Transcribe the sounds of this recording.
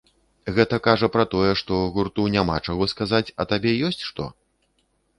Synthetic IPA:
ɣɛt̪ɐkaʐɐpɾɐt̪ɔjɛʂt̪ɔɣurt̪unʲamat͡ʂaɣɔskazat͡sʲɐt̪abʲɛjɔsʲt͡sʲʂt̪ɔ̰

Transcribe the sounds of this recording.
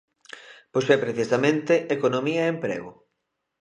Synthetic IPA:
posɛpɾeθisamẽnt̪eʔekonomiɐeempɾḛɣʊ

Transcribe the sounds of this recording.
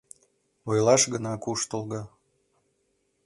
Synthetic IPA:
ojlˠɑʃɡənɑkuʃt̪əlˠɣɑ

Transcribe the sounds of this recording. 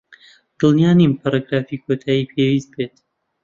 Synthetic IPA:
d̪̥ɨlˠnijaːnimpʰaɾaɡɾaːfiːkʰot̪ʰaːjiːpʰewist̪̚bet̪

